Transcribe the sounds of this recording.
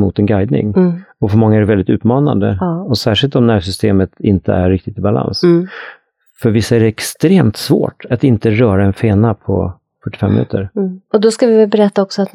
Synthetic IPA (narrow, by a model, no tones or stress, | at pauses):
mʊ̰t̪ɛnɡajd̪nɪ̰ŋɔfœɾmɔŋːaæɾɛvɛld̪ɪt̪ʉ̟ːt̪mɑːna̰nd̪ə̰ɔsæːʂɪlt̪ɔmnæɾsʏst̪eːmət̪ɪnt̪ə̰æːɪk̚t̪ɪt̪ɪbala̰ns | fœɾvɪsːaæɖɛɛkst̪ɾeːmt̪svo̰ːʈʰat̪ɪnt̪əɾœːɾaɛnfeːnapʰɔ̰ | fœʈːɪ̥fɛmːɪnʉ̟ːt̪əɾɔd̪ɔskavɪvɛlbɛɾɛt̪ːaɔksɔat̪